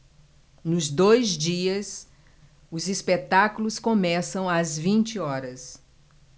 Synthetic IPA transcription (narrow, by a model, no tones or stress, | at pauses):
nʊzd̪ojzd͡ʒiɐs | ʊzispet̪akulʊskomɛsɐ̃w̃ɐzvĩnt͡ʃɪɔɾɐs